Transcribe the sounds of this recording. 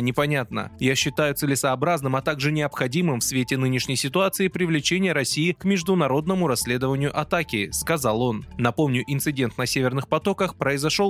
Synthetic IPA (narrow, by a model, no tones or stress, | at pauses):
nʲɪpɐnʲat̪nə̰jaɕːɪt̪ajʊt̪sɨlʲɪsɐːbɾaznɨmɐt̪aɡʐɨnʲɪɐpxɐdʲimɨmfsvʲetʲɪnɨnʲɪʂnʲəjsʲɪt̪ʊat̪sɨɪpɾʲɪvlʲɪt͡ɕenʲɪjəɾɐsʲijɪkmʲɪʐd̪ʊnɐɾo̞d̪nəmʊɾɐsʲːlʲe̞d̪əvənʲɪjʊʔɐt̪akʲɪskɐzalˠo̞nːɐpo̞mnʲʊʔɪnt̪sɨdʲe̞nt̪nɐsʲevʲɪrnɨxpɐt̪o̞kəxpɾəɪzɐʂo̞lˠ